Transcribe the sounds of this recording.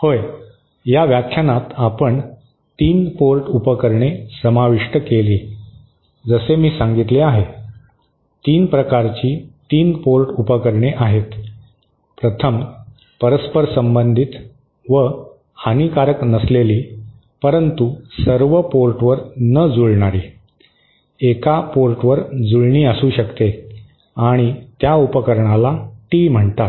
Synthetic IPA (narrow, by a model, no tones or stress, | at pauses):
hoːj | jaʋjakʰjanat̪apəɳ | t̪iːnpoɾʈupəkəɾɳesəmaʋiʂʈəkeliː | d͡zəsemiːsãŋɡit̪leaɦe | t̪iːnpɾəkaɾt͡ɕiːt̪iːnpoɾʈupəkəɾɳeʔaɦet̪ | pɾət̪ʰəm | pəɾəspəɾsəmbənd̪ʱit̪ | ʋə | hanikaɾəknəsleliː | pəɾənt̪usəɾʋəpoɾʈʋəɾnəd͡zuɭɳaɾiː | ekapoɾʈʋəɾd͡zuɭɳiːəsuːɕəkt̪e | aɽ̃it̪jaupəkəɾɳalaʈiːm̤əɳt̪at̪